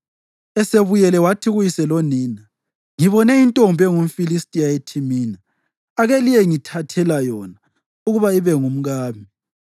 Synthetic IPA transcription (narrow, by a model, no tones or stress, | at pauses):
ɛseβujɛlɛwatʰiɣujisɛloniːna | ŋiβɔnɛintʼombʱɛŋum̩filistʼiaetʰimiːna | aɣɛlijɛŋitʰatʰɛlajɔna | uɣuβaiβɛŋum̩ɣaːmi